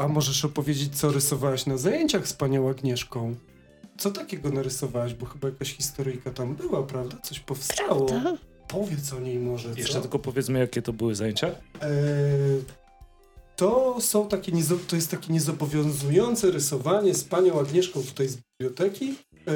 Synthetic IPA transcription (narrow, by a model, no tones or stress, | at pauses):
amɔʐɛʂɔpɔvʲjed͡ʑet͡ɕ̚t̪sɔɾɛsɔvawɛɕnazajeɲt͡ɕaxspaɲɔ̃w̃aɡɲɛʂkɔ̃w̃ | t̪sɔt̪akʲɛɡɔnaɾɨsɔvawɛʑbɔxɘbajakaɕxʲist̪ɔɾɨjkat̪ambɘwapɾavd̪at̪sɔɕpɔfst̪awɔ | pɔvʲjɛt̪sɔɲejmɔʐɛjɛʂt͡ʂɛt̪ɘlkɔpɔvʲjɛt̪smɘjakʲɛt̪ɔbɨwɘzajeɲt͡ɕa | t̪ɔsɔ̃w̃t̪akʲɛɲɛzɔt̪ɔjɛst̪ːakʲeɲɛzɔbɔvʲjɔ̃w̃zujɔnt̪sɛɾɛsɔvaɲɛspaɲɔ̃w̃aɡɲɛʂkɔ̃w̃ft̪ɛjzbʲiblʲjɔt̪ɛkʲi